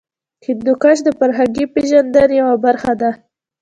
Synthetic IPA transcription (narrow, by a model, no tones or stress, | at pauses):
kɪd̪ʊkaʃ̬d̪əpaɾɦaɡipeʒand̪aɾjawabaɾxad̪a